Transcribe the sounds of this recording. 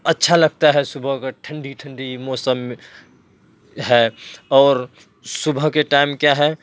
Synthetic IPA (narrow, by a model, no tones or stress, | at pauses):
ɐtːʃʰalɐɡ̚t̪aɦɛsʊbʱəɦkaʈʰə̃ɳɖiʈʰə̃ɳɖimoːsəm | ɦɛɔːɾ | subʱəɦkeʈaɪmkjaɦɛ